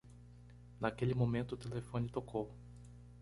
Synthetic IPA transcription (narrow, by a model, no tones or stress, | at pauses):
nakelɪmõmẽnt̪ʊːt̪elefõnɪt̪okow